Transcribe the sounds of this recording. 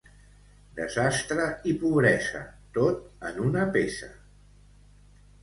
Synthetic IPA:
d̪əzast̪ɾəipuβɾɛzə̰t̪ot̪̚ənunəpesə̰

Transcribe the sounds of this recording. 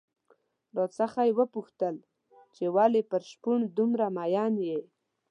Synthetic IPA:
ɾot͡səxajwəpuxt̪əl | t͡ʃewalepəɾʃpuɳd̪umɾamajɑnje

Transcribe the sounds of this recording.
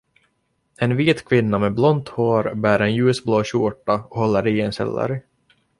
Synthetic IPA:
ɛnviːt̪kʰvɪnːamɛblɔnt̪hoːɾbæːɾɛnjʉːsbloːɕuʈːaɔhɔlːəɾiɛnsɛ̰lːə̰ɾ

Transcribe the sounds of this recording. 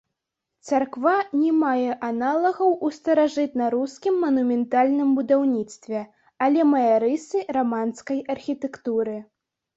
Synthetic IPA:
t̪sarkvanʲɛmajɛʔanalˠɐɣɐwʔust̪ɐɾaʐɨt̪nɐɾuskʲimːɐnumʲɛnt̪alʲnɨmbud̪awnʲit̪st̪vʲɛ | alʲɛmɐjaɾɨsɨramanskɐjɐrxʲit̪ɛkt̪uɾɨ

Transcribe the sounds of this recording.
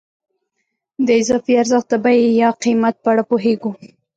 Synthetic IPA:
d̪əɪzɑfiaɾzəxt̪̚abajejɑqimat̪̚pəaɽapoɦeɡu

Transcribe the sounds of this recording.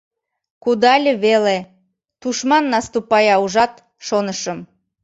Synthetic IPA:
kud̪ɑlʲəβele | t̪uʃmɑnːɑst̪upɑjɑuʒɑt̪ | ʃonəʃəm

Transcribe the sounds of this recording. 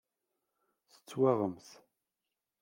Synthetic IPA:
sə̥t͡sːwaʁəmθ

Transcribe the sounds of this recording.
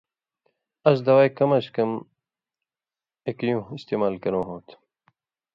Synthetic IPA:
ɐs̬d̪ɐwajkɐmɐɕkɐm | ekjũːist̪eːmaːlkɐnõːɦoːt̪ʰ

